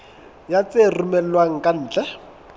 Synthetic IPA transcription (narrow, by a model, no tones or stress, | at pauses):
jat͡sʼerumɛl̩lwaŋ̩kʼan̩ːt͡ɬʼɛ